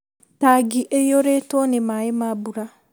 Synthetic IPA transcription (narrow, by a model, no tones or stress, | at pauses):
taɡiʔejoɾetonɪmaemabuɾa